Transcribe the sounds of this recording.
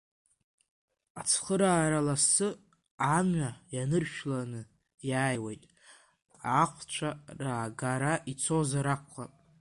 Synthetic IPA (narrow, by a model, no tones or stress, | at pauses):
at͡sʰχəɾaːɾalasɨ | amɥajanɨrʃᶣlanɨ | jaːjwejtʼ | aqʷʰt͡ʃʷʰaraːɡaɾaʔit͡sʰozaɾaqʷχa̰pʼ